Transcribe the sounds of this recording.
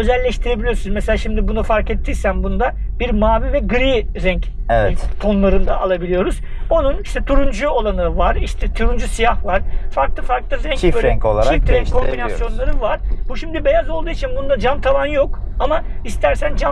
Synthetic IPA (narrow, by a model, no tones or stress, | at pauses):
ø̞zɛlʲːɛʃt̪ʰiɾe̞bilʲijo̞sunmɛselʲaːʃimd̪ibunufaɾkɛt̪ʰːiːsænbund̪abiɾmaːvivɛɡɯɾiːɾɛɲc | ɛvɛtt̪ʰo̞nlˠaɾɯnd̪a̰ʔalˠabilʲijo̞ɾuz̥ | o̞nuniʃt̪ʰɛt̪ʰuɾund͡ʒuolˠanɯvaɾiʃt̪ʰɛt̪ʰuɾund͡ʒusijaxvaɾ̥faɾklˠɯfaɾklˠɯɾɛɲiføɾɛŋkolˠa̰aift̪ɾɛkʰombinasjo̞nlˠaɾɯvaɾ̥buʃimd̪ibe̞jazo̞lˠd̪uːjit͡ʃʰinbund̪ad͡ʒamt̪ʰalanjo̞kamaist̪ʰæɾsænd͡ʒa